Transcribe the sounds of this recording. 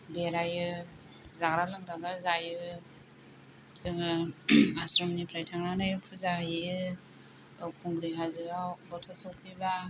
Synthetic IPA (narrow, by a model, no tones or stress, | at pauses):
beɾajɯ | zaɡɾalɯŋdaɡazajɯ | zɯŋɯasɾɔmnipʰɾajtʰaŋnanajɯpʰuzajiɯ | lawkʰuŋɡɾiɦazɯawbɔtʰɔsɔwpʰiba